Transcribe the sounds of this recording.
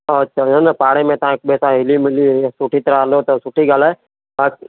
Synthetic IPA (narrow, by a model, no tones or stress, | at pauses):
ətːʃʰaːənəpaːɽeːmẽt̪əɦãk̚bɛːsaɦɪliːmɪliːsʊʈʰiːt̪əɾalot̪osʊʈʰiɡalɛ | aːk